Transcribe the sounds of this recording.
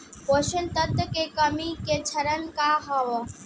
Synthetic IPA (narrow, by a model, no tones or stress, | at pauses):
poːʃənt̪ət̪ːkekəmiket͡ʃʰəɾənkaɦaʋ